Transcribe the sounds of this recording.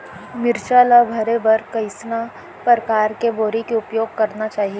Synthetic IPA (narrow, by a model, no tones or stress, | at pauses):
mɪɾt͡ʃaːlabʱɐɾebɐɾkɐɪsna | pɾəkaːɾkeboːɾikeʊpjoːɡ̚kɐɾnat͡ʃaːɦie